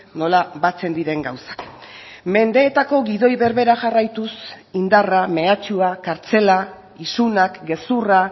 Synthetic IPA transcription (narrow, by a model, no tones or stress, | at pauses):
no̞laβat͡se̞nd̪iɾe̞ŋɡawsḁk | me̞nd̪e̞ːt̪ako̞ɣiðo̞jβe̞ɾβe̞ɾaʝarajt̪us | ind̪arame̞at͡ʃuakaɾt͡se̞la | isunakɡe̞sura